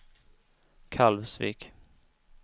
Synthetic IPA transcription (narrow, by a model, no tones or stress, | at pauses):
kʰalvsvḭːk